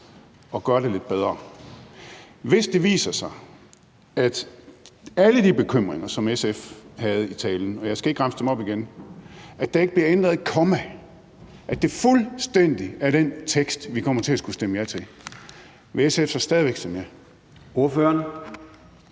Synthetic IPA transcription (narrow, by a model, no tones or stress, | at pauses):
ɒ̽ɡ̥ɶɐɾele̝d̥̚b̥eð̞ˠɐ | ʋe̝sd̥e̝ʋḭːsɐsɑ̈ɪ | æd̥ | æləd̥ib̥e̝kʰøm̰ʁeŋɐsɒ̽mesefhæð̞̩ˠit͡sʰɛ̰ːln̩ɒ̽jɑ̈ɪsɡ̥æe̝ɡ̥ɡʁɑmsəd̥emɒ̽b̥iɡ̥en | ʔæd̥ɑ̈e̝ɡ̥əb̥liɐend̥ʁɐðˠækʰɒ̽mæ | ʔæd̥e̝fulsd̥en̰d̥iæɐɾ̥ent͡sʰeɡ̥sd̥ʋikʰɒ̽m̰ɐt͡sʰe̝æsɡ̥usd̥eməjæt͡sʰe̝ | ʋeesefsɑsd̥ɛːðˠiʋeɡ̥sʰemje | o̝ɐføːɐn